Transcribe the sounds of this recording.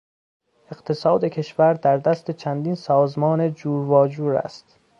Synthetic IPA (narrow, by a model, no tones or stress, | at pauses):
e̞ɢ̥t̪ʰe̞sɒːd̪ekʰe̞ʃvæɾd̪æɾd̪æst̪e̞t͡ʃʰænd̪iːnsɒːzmɒːne̞d͡ʒuːɾvɒːd͡ʒuːɾæ̰st̪